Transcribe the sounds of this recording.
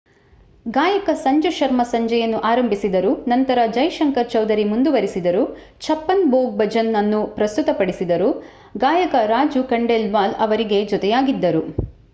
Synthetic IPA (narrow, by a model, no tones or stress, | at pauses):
ɡaːjɐkɐsɐɲd͡ʒuʃɐɾmɐsɐɲd͡ʒɐjɐnːuʔaːɾɐmbʱisid̪ɐɾunɐnt̪ɐɾɐd͡ʒɐjʃɐŋkɐɾt͡ʃɐwd̪ɐɾimund̪uʋɐɾisid̪ɐɾu | t͡ʃʰɐpːɐnboːɡ̚bɐd͡ʒɐnːɐnːupɾɐst̪ut̪ɐpɐɽisid̪ɐɾu | ɡaːjɐkɐɾaːd͡ʒukɐɳɖelʋaːlɐʋɐɾiɡe̞d͡ʒɔt̪ɛjaːɡid̪ːɐɾu